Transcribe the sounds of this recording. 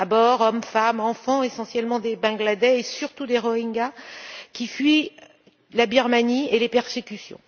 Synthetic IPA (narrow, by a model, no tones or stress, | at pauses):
abɔʁɔmfamɑ̃fɑ̃esɑ̃sjɛlmɑ̃d̪ebɛ̃ɡlad̪ɛesyʁt̪ud̪eʁɔĩŋɡakʲifɥi | labiʁmanielepɛʁsekʲysjɔ̰̃